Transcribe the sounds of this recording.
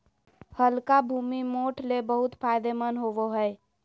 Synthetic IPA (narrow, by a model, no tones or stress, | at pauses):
həlkabʱuːmimoʈʰlebəɦʊt̪pʰaːjd̪emənɦoʋoɦəɛ